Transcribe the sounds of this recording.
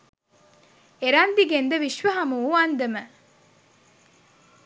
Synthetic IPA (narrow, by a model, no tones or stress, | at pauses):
eɾand̪iɡend̪əʋiʃʋəɦɐmuuand̪əmə